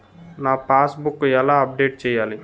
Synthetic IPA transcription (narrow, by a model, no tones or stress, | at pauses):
naːpaːsbukːuɛlaːɐp̚ɖeːʈ̚t͡ʃɛːjaːli